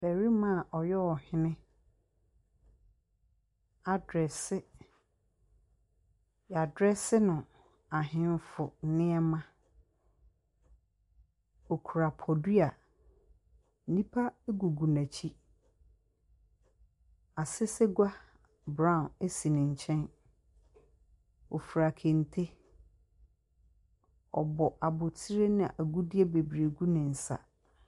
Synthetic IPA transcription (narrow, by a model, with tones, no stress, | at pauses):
bɛ˨ɾi˦mã˦˨ʔɔ˨jɛ˦ɔ˨hɪ̃˦nɪ̃˦ | a˨dɾɛ˨sɪ˦ | ja˨dɾɛ˦sɪ˦nʊ̃˨ | a˨ɦɪ̃˦n˦fʊ˨˦nɪ̃˦ɛ˦mã˦ | o˨kʰu˨ɾa˨pʰɔ˨di˦a˨ | n̩˨nĩ˦pʰa˦e˦ɡu˨ɡu˨nã˨t͡ɕʰi˦ | a˨sɪ˦sɪ˦ɡʷa˦ | bɾã˦˨ne˦si˨nɪ̃˨ɲ̩˨t͡ɕʰɛ̃˦n | ɔ˨fu˨ɾa˨kʰẽ˨n˨tʰe˦ | ɔ̰˨bɔ˨ʔa˨bʊ˨tʰi˦ɾe˦nɪ̃˦˨ʔæ˨ɡu˦di˦e˦be˨bɾe˨ɡu˦nɪ̃˨n̩˨sa̰˨